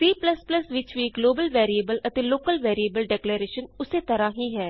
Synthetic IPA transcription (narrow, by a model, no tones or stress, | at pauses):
t̪ɾiːpləspləsʋɪt͡ʃʋiːɡloːbəlʋɛːɾiːebəlʔət̪eːloːkəlʋɛːɾieːbəlɖɛːkleːɾeːʃənʊseːt̪əɾãːɦiːɦɛː